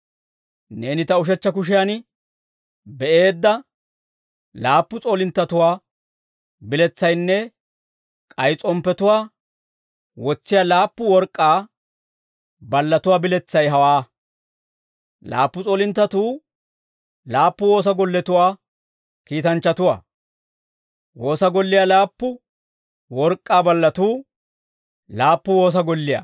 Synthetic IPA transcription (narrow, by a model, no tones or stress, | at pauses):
ne̞ːnɪt̪ɐʊʃ̬ɛt͡ʃːɐk̬ʊʃ̬ɪjaːn | bɛʔe̞ːd̪ːɐ | laːpːʊt͡sʼoːlɪnt̪ːɐt̪ʊwaː | bɪlɛt͡sːɐjnːɛ | kʼɐjt͡sʼɔmpːɛt̪ʊwaː | wɔt͡sːɪjaːlaːpːʊwɔɾkʼːaː | bɐlːɐt̪ʊwaːbɪlɛt͡sːɐjɦɐwaː | la̰ːpːʊt͡sʼoːlɪnt̪ːɐt̪uː | laːpːʊwo̞ːs̬ɐɡɔlːɛt̪ʊwaː | kiːt̪ɐnt͡ʃːɐt̪ʊwa̰ː | wo̞ːsɐɡɔlːɪjalaːpːʊ | wɔɾkʼːaːbɐlːɐt̪uː | laːpːʊwo̞ːs̬ɐɡɔlːɪja̰